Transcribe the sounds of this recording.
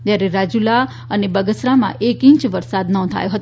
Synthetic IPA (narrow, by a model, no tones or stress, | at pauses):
t̪jaɾeɾad͡ʒula | ənebəɡəsɾamã̰ʔekĩɲt͡ʃʋəɾsad̪nɔ̃t̪ʰa̰jõɦət̪